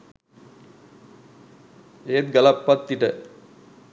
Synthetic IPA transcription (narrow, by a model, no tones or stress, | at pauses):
eːt̪̚ɡɐlɐpːɐt̪ːiʈə